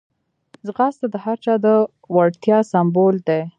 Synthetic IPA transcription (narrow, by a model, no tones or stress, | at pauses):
zɣast̪ad̪əhaɾt͡ʃɑd̪ə | waɽt̪jɑsambold̪e